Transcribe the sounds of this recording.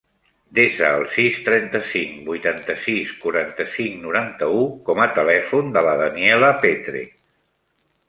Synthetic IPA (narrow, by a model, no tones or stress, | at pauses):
d̪esəːlˠsist̪ɾɛnt̪əsiŋbujt̪ant̪əsiskuɾant̪əsiŋnuɾant̪əukɔmət̪əlɛfund̪ələðəniɛləpet̪ɾḛ